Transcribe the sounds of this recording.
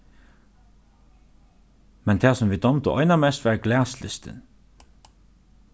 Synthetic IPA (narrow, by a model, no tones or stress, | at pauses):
mɛnt̪ʰæːsɔmʋiːd̪ɔmt̪ʊʔɔʏnɐmɛst̪ʋæɹɡlæːslɪst̪ə̰n